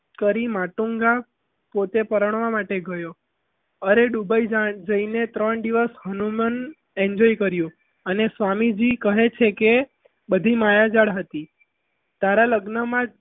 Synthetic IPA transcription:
kəɾimaʈuŋɡa | pot̪epəɾəɳ̃ʋamaʈeɡəjo | əɾeɖubaid͡ʒad͡ʒəinet̪ɾəɳd̪iʋəsɦənumən | eɲd͡ʒɔikəɾjũ | ənesʋamid͡ʒikəɦet͡ʃʰeke | bəd̪ʱimajad͡ʒaɽɦət̪i | t̪aɾaləɡnəmã

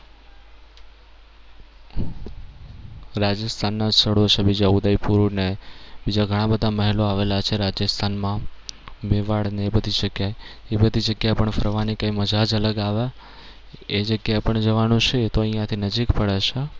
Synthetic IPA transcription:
ɾad͡ʒəst̪ʰanːad͡ʒst̪ʰəɽot͡ʃʰebid͡ʒaud̪əipuɾnebid͡ʒaɡʱəɽ̃ãbəd̪ʱaməɦiloaʋelat͡ʃʰeɾad͡ʒəst̪ʰanmãmeʋaɽnebəd̪ʱiʃəɡjajebəd̪ʱid͡ʒəɡjapəɳfʰəɾʋanikãiməd͡ʒad͡ʒələɡaʋa | ed͡ʒəɡjapəɳd͡ʒəʋanũt͡ʃʰet̪oəĩjãt̪ʰinəd͡ʒikpəɽeʃe

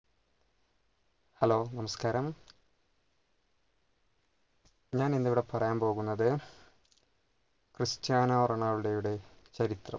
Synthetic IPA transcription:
hɐlo̞ːnɐmɐskaːɾɐm | ɲaːnend̪eʋiɽepɐrɐjaːmpo̞ːɣunːɐðɨ | krɨst͡ɕaːnɐɐrɐɳaːɭuɽejuɽe̞t͡ɕɐɾit̪rɐ̰m

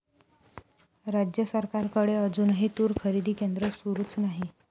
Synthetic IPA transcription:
ɾad͡ʑjəsəɾkaɾkəɽeəd͡zuːnɦit̪uːɾkʰəɾid̪ʱiːkend̪ɾəsuɾuːt͡snaɦi

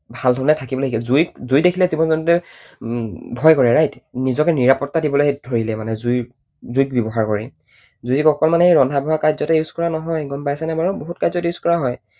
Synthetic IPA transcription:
bʱaldʱɔɹnɛtʰakibɔloikilzujkzujdekʰilɛzibɔnzɔnɔtɛ | bʱɔjkɔɹɛɹajtnizɔkɛniɹapɔtːadibɔlodʱoɹilɛmanɛzuj | zujk̚bjɔbɔɦaɹkɔɹɛ̰ | zujkɔkɔlmaneɹɔndʱabʱɔɦakazɔtɛjuzkɔɹanɔɦɔjɡɔnpajsɛnabaɹuboɦut̚kazɔtjuskɔɹaɦɔj

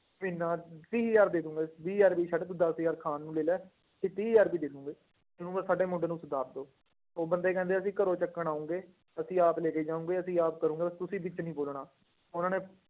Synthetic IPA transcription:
miːnãːt̪iːjaːɾd̪eːd̪ũːŋɡeːbiːjaːɾpiːʃaɖt̪ʊd̪əsjaːɾkʰaːnːũːleːlɛː | sɪːt̪iːjaːɾbiːd̪eːd̪ũːŋɡeː | d͡ʒənũːəsaːɖeːmʊ̃ɖeːnũːsʊd̪aːɾd̪oː | oːbənd̪eːkɛ̃nd̪eːəsĩːkəɾoːt͡ʃəkːəɳaːʊ̃ːŋɡeː | əsĩːaːpleːkeːd͡ʒaːũːɡeːəsĩːaːpkəɾũːŋɡeːət̪ʊsĩːbɪt͡ʃnĩːboːlɳaː | ʊnãːneː

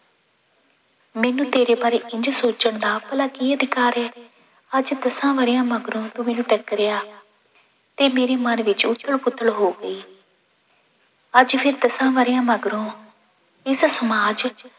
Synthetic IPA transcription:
mɛːnũːt̪eːɾeːbaːɾeːʔɪɲd͡ʒsoːt͡ʃəɳd̪aːpəlaːkiːəd̪ɪkaːɾɛː | əd͡ʒd̪əsãːʋəɾjãːməɡɾõːt̪uːmɛːnũːʈəkəɾejaː | t̪eːmeːɾeːmənʋɪt͡ʃʊt̪ʰːəɭpʊt̪ʰːəɽɦoːɡəiː | əd͡ʒpʰɪɾd̪əsãːʋəɾijãːməɡɾõː | ɪssəmaːd͡ʒ

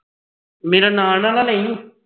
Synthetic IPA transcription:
meːɾaːnaːnãːlaːlɛ̃ːĩ

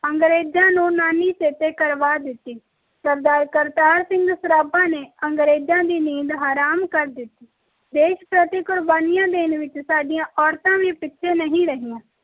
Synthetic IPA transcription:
ə̃ŋɡɾeːd͡ʒãnũnaːnit͡ʃeːt̪ekəɾʋaːd̪ɪt̪ːiː | kəɾd̪aːɾkəɾt̪aːɾsɪ̃ŋɡsʊɾaːbãːneə̃ŋɡɾeːd͡ʒãːd̪iːniːd̪ɦaːɾaːmkəɾd̪ɪt̪ːiː | d̪eːʃpɾət̪ikʊɾbaːnɪjãːd̪eːnʋɪt͡ʃsaːɖijãʔɔːɾt̪ãːmẽpɪːʃʰenəɦĩɾəɦɪjãː

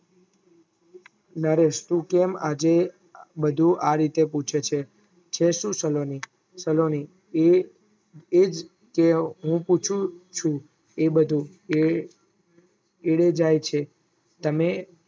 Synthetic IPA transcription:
nəɾeʃt̪ũkɛmad͡ʒe | bəd̪ʱuʔaɾit̪eput͡ʃʰet͡ʃʰe | t͡ʃʰeʃũsəloni | səloni | e | ed͡ʒ | keɦũput͡ʃʰũt͡ʃʰũ | ebəd̪ʱũ | eɽed͡ʒajt͡ʃʰe | t̪əme

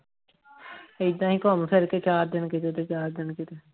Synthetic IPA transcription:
ɪd̪ãːɦĩːkoːmseɾkeːt͡ʃaːɾd̪ɪnkɪt̪eːt̪et͡ʃaːɾd̪ɪnkɪt̪eː

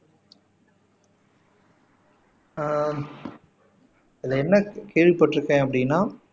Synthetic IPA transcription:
ɪðɪlɐɛnːɐkeːɻʋipːɐʈːɪɾɯkːẽːɐpːɐɽɪnːaː

